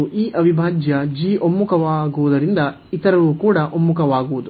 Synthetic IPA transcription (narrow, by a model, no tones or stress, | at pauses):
uʔiːʔɐʋibʱaːd͡ʒjɐd͡ʒiːʔomːukɐʋaːɡuʋud̪ɐɾind̪ɐ | it̪ɐɾɐʋukuːɽɐʔomːukɐʋaːɡuʋud̪u